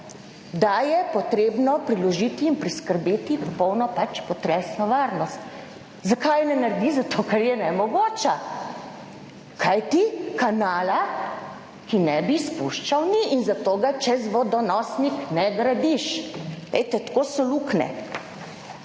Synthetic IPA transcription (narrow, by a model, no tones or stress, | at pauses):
d̪ajɛpɔt̪ɾebnɔpɾilɔʒit̪iːnpɾiskəɾbeːt̪ipɔpɔwnɔpat͡ʃpɔt̪ɾɛsnɔʋaːɾnɔst̪ | zakajnɛnaɾd̪izat̪oːkɛɾjɛnɛmɔɡoːt͡ʃa | kʰajt̪ikanaːla | kinɛbispuʃt͡ʃawniʔiːnzat̪oːɡat͡ʃɛzʋɔd̪ɔnɔsniknɛɡɾad̪iʃlɛ̰jt̪ɛt̪koːsɔluknɛ̰